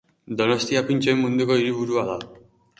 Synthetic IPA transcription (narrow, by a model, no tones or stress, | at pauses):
d̪ɔnɔst̪ʰiapint͡ɕɔjmund̪ikɔiɾibuɾuala̰